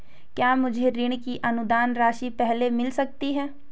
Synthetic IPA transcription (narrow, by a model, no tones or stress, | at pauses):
kjaːmʊd͡ʒʱeɾɪɽkiʔɐnʊd̪aːnɾaːʃipɛɦlemɪlsɐk̚t̪iɦɛː